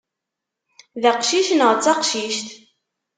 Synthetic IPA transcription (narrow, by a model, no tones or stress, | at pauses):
ðæqʃiʃnəʁt͡sːɑqʃiʃt̪